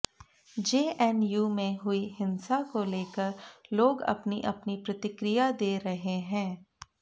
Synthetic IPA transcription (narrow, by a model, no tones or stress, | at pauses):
d͡ʒeːʔɛnjuːmẽɦʊiɦɪ̃nsakoleːkəɾloːɡɐ̰pniʔɐ̰pnipɾɐt̪ɪkɾɪjad̪eːɾɐɦeɦɛ̃ː